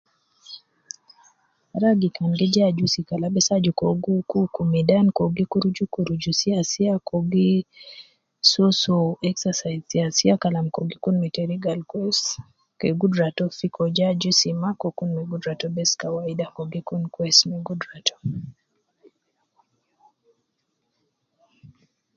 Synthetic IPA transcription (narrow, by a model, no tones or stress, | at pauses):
ɾaɡikanɡed͡ʒad͡ʒusikalabɛsad͡ʒukoɡukukumidankoɡikuɾud͡ʒukuɾud͡ʒusiasiakoɡi | sosoɛksasajzsiasiakalamkoɡikunmɛtɛɾiɡalkwɛs | keɡudɾatɔfikɔd͡ʒad͡ʒusimakokunmɛɡudɾatɔbɛskawaidakoɡikunkwɛsmeɡudɾatʰɔ̥